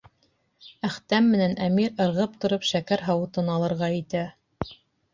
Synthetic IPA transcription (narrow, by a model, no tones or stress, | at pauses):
æχt̪æmːɘ̆nænʔæmiɾɤ̆ɾʁɤp̚t̪ŏɾɤpʃækæɾɦɑwɤ̆t̪ɤnɑlˠɤ̆ɾʁɑĭt̪æ